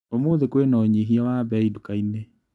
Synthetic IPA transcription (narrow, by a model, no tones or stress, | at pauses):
omoðekwenɔɔɲiɦiawabɛidukaine